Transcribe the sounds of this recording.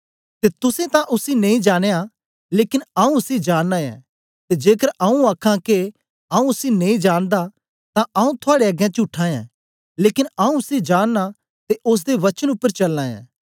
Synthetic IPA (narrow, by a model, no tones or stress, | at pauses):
t̪eːt̪ʊsẽt̪ãʔʊsinɐ̃ĩd͡ʒaːɽ̃eːã | leːkɪnaũʊsid͡ʒaːnːãːjã̰ː | t̪ed͡ʒeːkəɾɐũaːkʰãke | ɐũʊsinɐĩd͡ʒaːnd̪a | t̪ãʔɐũt̪ʰʊaːɽeɐɡjãt͡ʃʊʈʰːãjã̰ː | leːkɪnaũʊsid͡ʒaːnːa | t̪eʔʊs̬d̪eʋɐt͡ʃənʊpːəɾt͡ʃɐlːãːjã̰ː